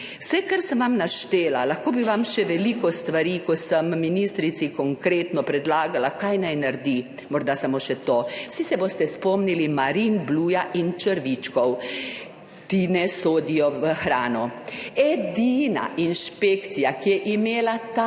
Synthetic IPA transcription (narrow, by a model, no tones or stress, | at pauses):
wsɛkaɾsəmʋamnaʃt̪eːlalaxkoːbiʋamʃɛʋɛlikɔst̪ʋaɾikɔsəmminist̪ɾit̪sikɔŋkɾeːt̪nɔpɾɛd̪laːɡalakajnajnaɾd̪i | mɔɾd̪asamoːʃɛt̪oːwsisɛboːst̪ɛspɔmnilimaɾinbluːjaʔint͡ʃəɾʋit͡ʃkɔw | t̪inɛsoːd̪ijɔʋəxɾaːnɔɛd̪iːna̰ʔinʃpeːkt̪sijakijɛʔimeːlat̪a